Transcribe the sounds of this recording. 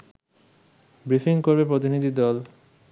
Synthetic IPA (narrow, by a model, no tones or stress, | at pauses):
bɾifiŋkoɾbepɾot̪inid̪ʱid̪ɔl